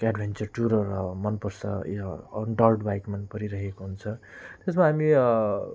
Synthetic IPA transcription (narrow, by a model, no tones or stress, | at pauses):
aɖbʱent͡sʌrʈuɾʌɾʌmʌnpʌɾsʌ̰jɖʌlʈbajkmʌnpʌɾiɾʌɦekoɦunt͡sʰʌt̪esmaɦami